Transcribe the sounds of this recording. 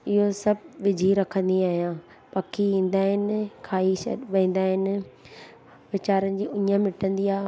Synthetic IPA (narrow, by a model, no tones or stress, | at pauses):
ɪɦosɐbʱʋɪd͡ʑʱiɾɐkʰə̃nd̪iaːɦijãː | pɐkʰiĩːn̆d̪aːɦɪnɪkʰaːisɐ̰ʋẽːn̆d̪aːɦɪnɪ̆ | ʋɪt͡ɕaːɾənɪ̆d͡ʑiːʊɲə̃mɪʈə̃nd̪iaːɦ